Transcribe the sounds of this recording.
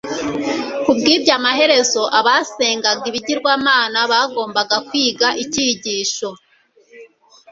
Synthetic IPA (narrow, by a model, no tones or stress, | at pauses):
kubɡiːbɟamahe̞ɾe̞zo̞ʔaβaseːŋɡaɡiβiɟiɾɡwaːmaːnaβaɡo̞ːmbaɡakwiːɡaʔiciːɟiːʃo̞